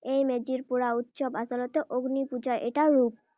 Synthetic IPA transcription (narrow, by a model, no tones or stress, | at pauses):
ejmed͡ʑiɾpuɾaut̪ːʃobaʃolot̪eʔoɡnipud͡ʑaɾʔeʈaɾup̚